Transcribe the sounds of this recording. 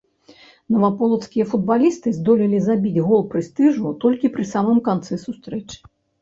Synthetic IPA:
nɐvapɔlˠɐw̪skʲijɐfud̪̚balʲist̪ɨzd̪ɔlʲilʲizabʲid͡zʲɣɔlˠpɾɨst̪ɨʐut̪ɔlʲkʲipɾɨsamɨmkant̪sɨsust̪ɾɛt͡ʂɨ̥

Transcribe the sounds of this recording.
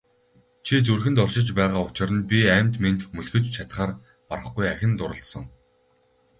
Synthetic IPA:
t͡ɕʰit͡sɵrxɘ̆nt̪ɔrʃɪ̆t͡ɕpæːʁaːʊt͡ɕɪ̆ɾə̆npʲiæmʲt̪ment̪̆xmɵɮxɘ̆t͡ɕt͡ɕʰat̪χaːr | pa̰ɾə̆χɡujæxʲɪ̆nt̪ʊɾə̆ɬt̪sə̆ŋ

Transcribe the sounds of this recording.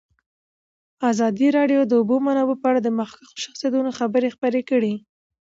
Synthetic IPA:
azɑd̪iɾɑɖjod̪əʊbomanɑbopəaɽad̪əmaxkaxo̥ʃḁxsjad̪unoxabəɾexpəɾekəɽi

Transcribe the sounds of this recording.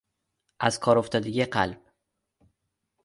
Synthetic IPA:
ʔæz̥kʰɒːɾoft̪ʰɒːd̪eɟeɢælb̥̚

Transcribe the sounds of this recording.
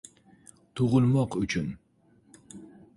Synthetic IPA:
t̪ʰuʁʊlˠmɑqyt͡ʃʰyn

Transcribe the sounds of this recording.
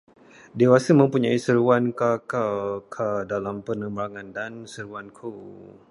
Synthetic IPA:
dewasəmə̃mpuɲaisəɾuwankakakʰadalampənəmbəɾaŋandansəɾuankʰo

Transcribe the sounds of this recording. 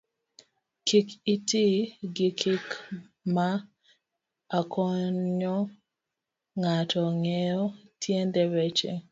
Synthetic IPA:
kikitiɡɪkʰɪk | ma | kʰɔɲɔ | ŋatʰɔŋɛɔtjendɛɾɛt͡ʃḛ

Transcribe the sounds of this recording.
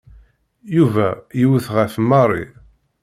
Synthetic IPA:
juvæjiwθʁəfmɑrˤḭ

